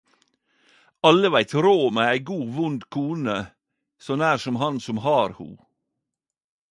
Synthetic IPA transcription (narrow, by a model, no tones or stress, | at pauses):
ɑləʋæɪt̪ɾoːmeːæɪɡuːʋʊnd̪kʰuːnə | sɔnæːɾsɔmhɑnsɔmhɑːɾhṵː